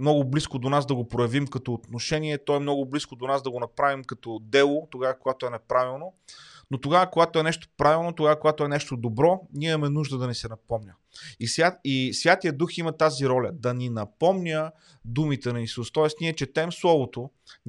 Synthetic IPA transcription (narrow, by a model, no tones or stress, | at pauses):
mnɔɡʊbliskod̪onazd̪ɐɡopɾojɛɐvimkɐt̪oːt̪noʃɛniɛt̪ɔɛmnɔɡʊbliskod̪onazd̪ɐɡonɐpɾavimkɐt̪ɔd̪ɛlˠot̪oɡavɐkoɡat̪oɛnɛpɾavilˠnonot̪oɡavəkoɡat̪oɛnɛʃt̪o̥pɾavilˠnot̪oɡavəkoɡat̪oɛnɛʃt̪od̪obɾɔnʲiɛɛɐmɛnuʒd̪əd̪ɐnɛsɛnɐpɔmnʲə | isʲaisvʲjat̪ijəd̪uximɐt̪aziɾɔlʲɐd̪ɐninɐpɔmnʲə | d̪umit̪ɛnɐisust̪ɔɛsniɛt͡ʃɛt̪ɛmslˠɔvot̪o